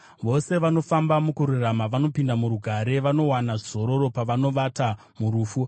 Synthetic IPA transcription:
ʋo̞se̞ʋano̞fambamukuɾuramaʋano̞pindamuɾuɡʱaɾe̞ʋano̞wanaʐizo̞ɾo̞ɾo̞paʋano̞ʋata | muɾuːfu

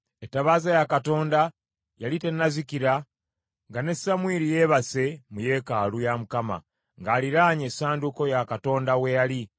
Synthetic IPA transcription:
etːaβaːzajakato̞ːnda | jalite̞nːazikiɾa | ŋɡane̞samwiːɾije̞ːβase̞muje̞kaːlujamukama̰ | ŋɡaːliɾaːɲe̞saːnduko̞jakato̞ːndawe̞jali

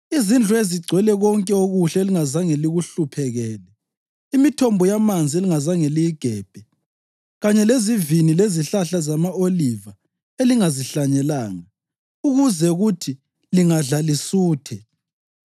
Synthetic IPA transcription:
izind͡ɮʱueziɡ͡ǀʱwɛlɛɣɔŋkʼɛoɣuɬɛeliŋazaŋeliɣuɬupʰɛɣɛːlɛ | imitʰɔmbʱɔjamand͡zʱieliŋazaŋeliiɡ̥ʱɛːb̥ʱɛ | ɣaɲɛlezivinileziɬaɬazamaoliva | eliŋaziɬaɲɛlaːŋa | uɣuzɛuɣutʰi | liŋaɮalisuːtʰɛ

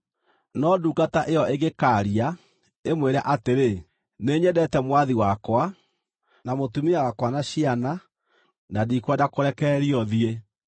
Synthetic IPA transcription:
nɔduːkataʔeɔʔeɣekaːɾia | emweɾaʔateɾe | neːɲɛdɛtɛmwaðiwakwa | namotumiaɣakwanaɕiana | nadikwadakoɾɛkɛːɾiɔðie

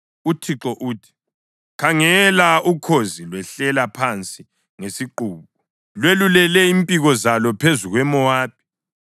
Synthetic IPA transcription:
utʰiǁɔʔuːtʰi̥ | kʰaŋɛlaukʰozilwɛɬɛlapʰant͡sʼi | ŋesiǃuːβɔ | lwelulɛlɛimpʼiɣɔzalɔpʰezuɣwɛmɔwaːp̚ʰi̥

